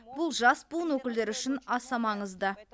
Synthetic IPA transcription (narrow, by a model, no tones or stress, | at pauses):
bʊlˠʒɑsbuənwɵkʲɪld̪eɾʏʃɪnɑsɑmɑɴəzd̪ə